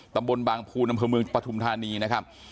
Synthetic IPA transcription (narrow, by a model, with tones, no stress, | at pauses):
t̪a˧mbo˧nbaː˧ŋpʰuː˧nʔa˧mʰpʰɤː˧mɯ˧əŋpɾa˧t̪ʰu˧mt̪ʰaː˧niː˧na˦˥kʰa˦˥p̚